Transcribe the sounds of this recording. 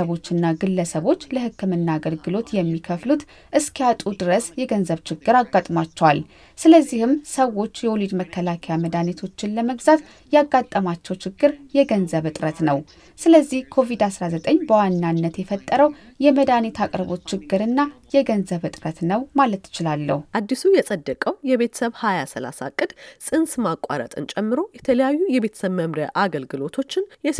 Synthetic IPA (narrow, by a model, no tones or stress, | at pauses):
əβo̞t͡ʃːɨnːaɡɨlːəsəβo̞t͡ʃːləhɨkːɨmɨnːaːɡəlɡɨlo̞t̪jɛmːikʰəflut̪ | ʔɨskʰjat̪ʼud̪ɨɾəsjɛɡənzəβt͡ʃʰɪɡːɨɾaɡːat̪ʼmat͡ʃːɛwal | sɨləzːihɨmsəwo̞t͡ʃːjɛwolid̪məkʰːəlakʰejaməd̪anet̪ʰo̞t͡ʃːɪnləməɡzat̪ | jaɡːat̪ʼːəmat͡ʃːɛwt͡ʃɪɡːɨɾjɛɡənzəβɨt̪ʼɾət̪nəw | sɨləzːihkʰo̞vid̪asɾazət̪ʼəɲːbəwanːanːət̪jɛfət̪ʼːəɾəw | jɛməd̪anet̪ʰakʼɾβo̞t̪ːt͡ʃʰːɪɡːɨɾɨnːajɛɡənzəβɨt̪ʼɾət̪nəwmalət̪ːɪ̥t͡ʃɪlalːə̰huʔad̪ːisujɛsʼəd̪ːəkʼəwjɛβe̞t̪ʰə̥səβhajasəla̰sa̰kʼːɨd̪sʼɨnsmakʼːa̰ɾə̰t̪ʼɨ̰nt͡ʃʼɛmːɨɾo̞jɛt̪ʰələjajːujɛβe̞t̪ʰə̥səβməmɾəʔaɡəlɡɨlo̞t̪ʰo̞t͡ʃːɪnjɛ